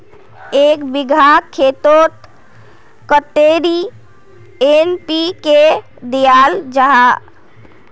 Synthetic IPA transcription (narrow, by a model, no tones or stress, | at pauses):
ekbiɡʱakʰet̪ot̪ | kət̪eɾi | enpike | d̪ijald͡ʒəɦã